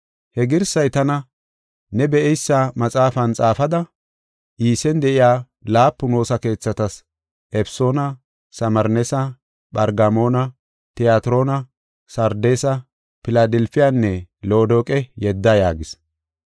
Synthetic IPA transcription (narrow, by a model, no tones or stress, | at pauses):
hɛɡɪɾsɐjt̪ɐnɐ | nɛbɛʔɛjsːamɐt͡sʼaːfɐnt͡sʼaːfɐd̪ɐ | ʔiːsɛnd̪ɛʔɪjaː | laːpːʊno̞ːsɐke̞ːt͡sːɐt̪ɐs | ʔɛfsoːnɐ | sɐmɐɾnɛsɐ | ɓɐɾɡɐmo̞ːnɐ | t̪ɪjaːt̪ɪɾo̞ːnɐ | sɐɾd̪eːsɐ | pɪlad̪ɛlfɪjaːnːɛlo̞ːd̪oːkʼɛjɛd̪ːɐja̰ːɡɪs